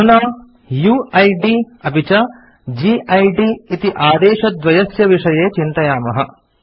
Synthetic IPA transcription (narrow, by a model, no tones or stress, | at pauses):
unaː | juːɐjɖi | ɐbʱit͡ʃɐ | d͡ʒiːʔɐjɖiit̪iʔaːd̪eːʃɐd̪ʋɐjɐsjɐʋiʂɐjeːt͡ʃint̪ɐjaːmɐɦɐ̰